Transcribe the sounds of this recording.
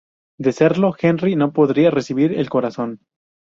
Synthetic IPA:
d̪e̞se̞ɾlo̞xe̞nrino̞po̞ðɾiare̞siβiɾe̞̰lko̞ɾaso̞n

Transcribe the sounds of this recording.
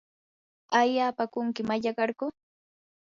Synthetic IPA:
ajaːpakʊŋkɪmaʎaɢɑɾkʊ

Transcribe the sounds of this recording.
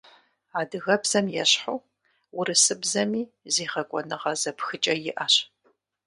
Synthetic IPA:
aːdɨɣɐbz̥ɐmjɛɕħuː | wʊɾɨsɨbzɐmiː | zeːχɐkʷʼɔnɨʁɐzɐpxɨt͡ʃʼɐjɪʔɐɕ

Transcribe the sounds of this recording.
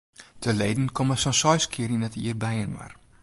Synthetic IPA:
təlejdn̩kɔməsɔnsɔjskʰiəɾinɛtḭːrbɛjənwa̰r

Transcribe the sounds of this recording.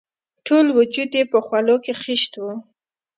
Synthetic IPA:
ʈolwʊd͡ʒud̪jepəxwalokexɪʃt̪wu

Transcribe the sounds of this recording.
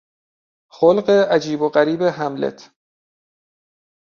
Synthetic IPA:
xolɢeʔæd͡ʒiːboɢæɾiːbeɦæmlḛt̪ʰ

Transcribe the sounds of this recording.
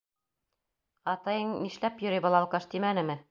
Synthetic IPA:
ɑt̪ɑjɤɴniʃlæpjɵ̆ɾibɑlˠɑlˠqɑʃt̪imænɘ̆mɘ

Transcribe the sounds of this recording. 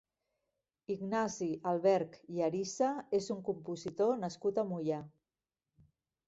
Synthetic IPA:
iɡnaziʔalˠβɛɾkiaɾisaezuŋkumpuzit̪onəskut̪amuja

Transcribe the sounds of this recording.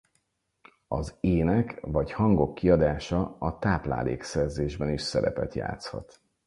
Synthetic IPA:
ɒzeːnɛkvɒchɒŋɡo̞kːiɒd̪aːʃɒɒt̪aːpla̰ːlḛːksɛrzeːʒbɛniʃsɛɾɛ̰pɛt̪ja̰ːt̪shɒ̰t̪

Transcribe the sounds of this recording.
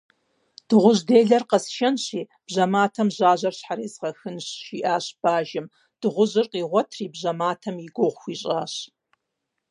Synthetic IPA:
d̥ɨʁʷʊʑdeːɮɐrqɐsʃɐnɕiː | b̥ʑɐmaːtʰɐmʑaːʑɐrɕħaɾeːzʁɐxɨnɕʃiʔaːɕb̥aːʒɪm | d̥ɨʁʷʊʑɨrqiːʁʷɔtʰriːbʑɐmaːtʰɐmiɡʷoʁʷxʷiːɕʼaːɕ

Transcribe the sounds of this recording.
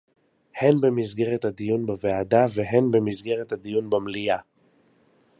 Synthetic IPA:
henbe̞mizɡe̞ʁet̪had̪ijunbevead̪aveɦenbe̞mizɡe̞ʁet̪had̪ijunbamlija

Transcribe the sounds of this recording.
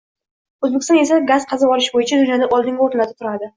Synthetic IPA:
ɵzbekʲɪst̪ne̞saɡaz̥qʰɑzabɒɾɪʃbojɪt͡ʃʰad̪ʊnjɒd̪aʔɒlˠd̪ɪŋɡʲɛoɾlat̪ɪ̥p̚t̪ʰʊɾad̪ɪ

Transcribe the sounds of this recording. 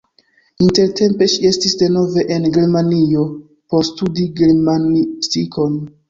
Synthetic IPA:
inte̞ɾte̞mpe̞ʃie̞stisde̞no̞ve̞ʔenɡe̞ɾmanio̞ | po̞ɾstudiɡeɾmanistikʰo̞n

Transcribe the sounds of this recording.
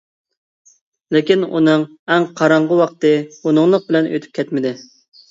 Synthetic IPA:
lɪkʲinṵnɨŋ | ɛŋqʰɑɾɑɴʁəwɑqt̪ɨunɨŋlˠəq̚bɪlɛnʔø̰t̪ʰy̥p̚ʲkʲʰɛt̪mɪd̪ɪ

